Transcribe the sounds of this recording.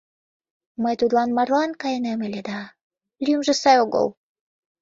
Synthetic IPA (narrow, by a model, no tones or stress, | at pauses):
məjt̪ud̪lˠɑnmɑrlˠɑnkɑjenemelʲed̪ɑ | lʲymʒə̆sɑjoɡo̰l